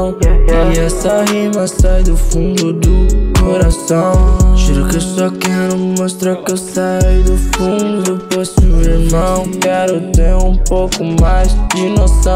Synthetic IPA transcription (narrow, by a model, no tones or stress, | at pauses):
w̃iɛsɐɦimasajd̪ʊfũnd̪ʊd̪ʊkoɾasɐ̃w̃ʒiɾukesɔkɛɾʊmost̪ɾakewsajd̪ʊfũnd̪ʊd̪ʊposibinɐ̃ww̃kɛɾot̪ẽjũpowkʊmajzd͡ʒinosɐ̃